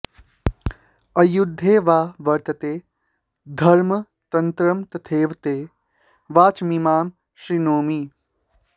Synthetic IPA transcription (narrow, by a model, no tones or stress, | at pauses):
ɐjud̪ʱːeːʋaːʋɐɾt̪ɐt̪eː | d̪ʱɐɾmɐ | t̪ɐnt̪ɾɐmt̪ɐt̪ʰeːʋt̪eː | ʋaːt͡ʃmimaːm | ʃɾinoːmi